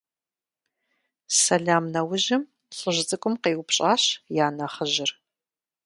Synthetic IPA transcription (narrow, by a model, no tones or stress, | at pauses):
sɐɮaːmnɐwʊʑɪm | ɬʼɨʑʷt͡sʼɨkʷʼʊmqeːwʊpɕʼaːɕjaːnɐχəʑɪr